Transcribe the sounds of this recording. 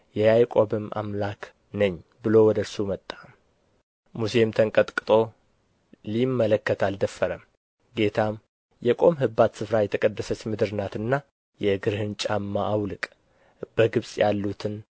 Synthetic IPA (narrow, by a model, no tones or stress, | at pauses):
jɛjajkʼo̞bɨmʔa̰mlak | nəɲːbɨlo̞wɔd̪əsumət̪ʼːam | muse̞mt̪ʰəŋkʼət̪ʼkʼɨt̪ʼo̞ | limːələkːət̪ʰald̪əfːəɾəm | ɡe̞t̪ʰam | jɛkʼo̞mɦɨbat̪sɨfɾajɛt̪ʰəkʼəd̪ːəsət͡ʃːmɨd̪ɨɾɨnat̪ɨnːa | jɛɡɨɾhɨnt͡ʃʼamːaʔːwlɨkʼ | b̥əɡɨβsʼjalːut̪ʰɨn